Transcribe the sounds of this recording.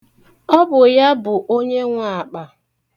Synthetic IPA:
ɔ˦bʊ˨ja˦bʊ˨ʔo˦ɲe˦ŋʷa˨a˨k͡pa˨

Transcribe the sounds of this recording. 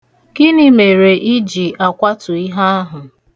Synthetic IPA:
kɪ˦nɪ˦me˨ɾe˨ʔi˦d͡ʒi˨a˨kʷa˦tʊ˨i˦ɦa˦a˦ɦʊ˨

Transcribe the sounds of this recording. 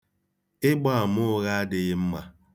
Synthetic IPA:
ɪ˦ɡ͡ba˦˨a˨mʊ˦ɣa˦a˦dɪ˨ɣɪ˦m̩˦ma˦

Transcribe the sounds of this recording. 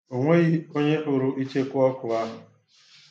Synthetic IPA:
o˨ŋʷe˦ɣi˦o˦ɲe˦ʔʊ˨ɾʊ˦ʔi˦t͡ʃe˦kʊ˦ɔ˦kʊ˨a˦mʊ˨

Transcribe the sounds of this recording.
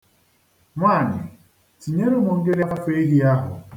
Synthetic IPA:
ŋʷaː˦˨ɲɪ̰˨ | ti˨ɲe˦ɾu˦mu˨ŋ̩˦ɡe˦ɾa˦fa˦fe˦ɦi˦a˦ɦʊ̰˨

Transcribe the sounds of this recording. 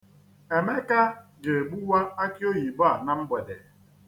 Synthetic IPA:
e˨me˦ka˦d͡ʒe˨ɡ͡bu˦wa˦a˦ki˦o˦ɦi˨ba˨na˨m̩˦be˨dḛ˨

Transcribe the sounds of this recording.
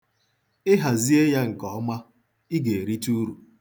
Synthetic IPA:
ɪ˦ɦa˨zi˦e˦ja˦ŋ̩˨kɔ˨ɔ˦ma˦ | i˦ɡe˨e˨ɾi˦tu˦ɾu˨

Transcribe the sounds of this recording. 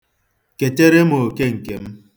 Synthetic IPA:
ke˨te˦ɾe˦mo˨ke˦ŋ̩˨ke˨m̩˦

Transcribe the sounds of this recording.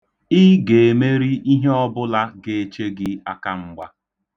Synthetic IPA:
i˦ɡe˨e˨me˦ɾi˦i˦ɦe˦ɔ˦bʊ˦la˦ɡe˨e˨t͡ʃe˦ɡɪ˦a˨ka˦ŋ͡m̩˦ɡ͡ba˦

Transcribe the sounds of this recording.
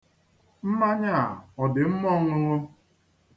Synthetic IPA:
m̩˦ma˦ɲa˦˨a˨ɔ˨dɪ˨m̩˦mɔ˦ŋʊ˦ɾo˦

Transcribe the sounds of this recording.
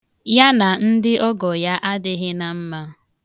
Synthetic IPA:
ja˦na˨n̩˦dɪ˦ʔɔ˦ɡɔ˨ja˦ʔa˦dɪ˦ɦɪ˦na˨m̩˦ma˦

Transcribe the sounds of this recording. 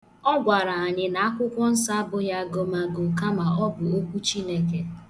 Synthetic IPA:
ɔ˦ɡʷa˨ɾa˨a˨ɲɪ˨na˨a˦kʷʊ˦kʷɔ˦n̩˦sa˦bʊ˦ja˦ɡo˨ma˨ɡʊ˨ka˦ma˨ɔ˦bʊ˨o˦kʷu˦t͡ʃi˦ne˦ke˨

